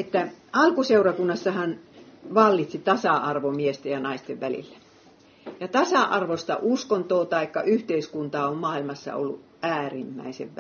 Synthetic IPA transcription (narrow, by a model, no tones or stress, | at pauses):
et̪ːæɑlkuseurɑkunːɑsːɑhɑnʋɑlːit̪sit̪ɑsɑɑrʋomiest̪ejɑnɑist̪eʋʋælḭlːæ̥ | jɑt̪ɑsɑʔɑrʋost̪ɑ̰ʔuskont̪oːt̪ɑikːɑʔyht̪eiskunt̪ɑːommɑːilmɑsːɑ̰o̰lːṵ | ʔæːrimːæ̰isḛʋʋæ